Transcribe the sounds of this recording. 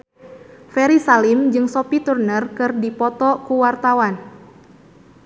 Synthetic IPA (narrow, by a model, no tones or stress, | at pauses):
fɛɾisalimd͡ʒɨŋsopit̪urnərkɨrdipɔt̪ɔkuwart̪awan